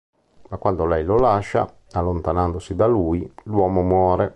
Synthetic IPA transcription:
makwand̪olɛjlolaʃːa̰ | alːont̪anand̪osid̪alujlwɔːmomwɔːɾe

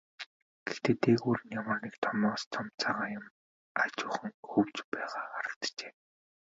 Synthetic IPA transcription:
ɡ̥ext̪eːt̪ʰeːɣuːɾɘ̆njamə̆rnikt̪ʰɔmɔːst͡s̪ʰɔmt͡sʰaːʁaːjʊm | at͡ɕʊːχə̆ŋxɵwt͡ɕpæːʁaːχaɾə̆kt̪t͡ɕe̥ː

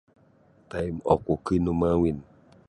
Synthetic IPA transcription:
t̪aimɔkokinumawin

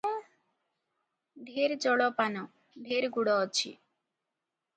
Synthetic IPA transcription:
dʱeɾd͡ʒɔɽɔpanɔ | ɖ̪ʱeɾɡuɽɔːt͡ʃʰḭ

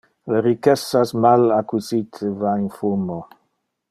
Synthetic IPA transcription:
ləɾikɛsasmalakuzit̪ʰəvainfumo

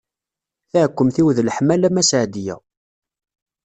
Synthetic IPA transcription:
θæʕkʷːəmθiwðlħmælæmæsʕd̪ijæ̰

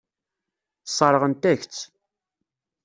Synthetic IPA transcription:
sˤəɾˤəʁənt̪æçt͡sː

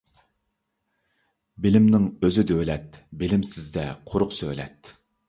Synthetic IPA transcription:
bɪlɪmnɪŋøzyd̪ølɛt̪bɪlɪmsɪzd̪ɛqʰʊɾʊqsølɛ̰t̪

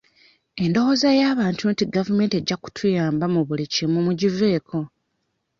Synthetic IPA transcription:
e̞ndo̞wo̞ːzajaːβaːntʰuntiɡavume̞ːnte̞ɟːaku̥tʰujaːmbamuβulicimumuɟive̞ːkʰo̞

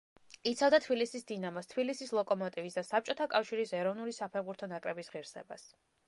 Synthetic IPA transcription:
it̪sʰavd̪at̪ʰbilisisd̪inamɔst̪ʰbilisislˠɔkʼɔmɔt̪ʼivisd̪asap̚t͡ʃʼɔt̪ʰakʼafʃiɾisɛɾɔvnulisapʰɛɾbuɾt̪ʰɔnakʼɾɛbisʁiɾsɛ̰ba̰s

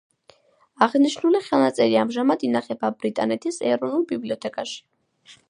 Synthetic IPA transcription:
aʁniʃnuliχɛlˠnat̪sʼɛɾiamʒamad̪inaχɛbabɾit̪ʼa̰nɛt̪ʰisɛɾɔnulˠbibliɔt̪ʰɛkʼaʃi̥

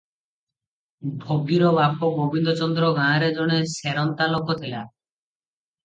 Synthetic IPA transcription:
bʱoɡiɾɔbapɔbobʱind̪ɔt͡ʃɔnd̪ɾɔɡãːɾed͡ʒɔɽ̃eseɾɔnt̪alokɔt̪ʰila

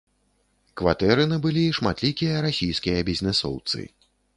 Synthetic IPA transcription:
kvat̪ɛɾɨnɨbɨlʲiʂma̰t̪lʲikʲijɐɾasʲijskʲijɐbʲizʲnɛsɔ̰wt̪sɨ̰

